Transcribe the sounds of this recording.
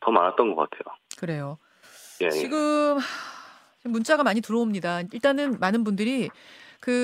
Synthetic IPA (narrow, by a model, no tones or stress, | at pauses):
tʌmanat̚t͈ʌnɡʌk͈a̰tʰe̞jokɯɾe̞jo | je̞̰jt͡ɕiɡɯma | t͡ɕimːunt͡ɕ͈aɡamaɲitɯɾoomɲidaiɭt͈anɯnmanɯnbundɯɾikɯ